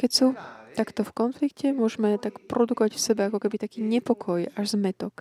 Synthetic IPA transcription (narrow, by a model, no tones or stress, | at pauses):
kɛcsut̪akt̪ɔfkɔnflikcɛmʊɔʒɛmɛt̪akpɾʔɔd̪ukɔʋacfsɛbɛakɔkɛbit̪akiːɲɛpɔkʰɔjaʒzmɛt̪ɔk